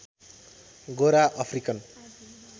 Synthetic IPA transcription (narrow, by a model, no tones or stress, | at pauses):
ɡoɾaʔʌpʰrikʌn